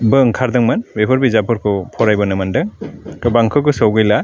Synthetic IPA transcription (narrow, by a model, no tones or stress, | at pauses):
bɯŋkʰaɾdɯŋmanbepʰɔɾbizapʰɯɾkʰɯpʰɔɾajbɔnɯmandɯŋkɯbaŋkʰɯkɯsɔwɡɯjla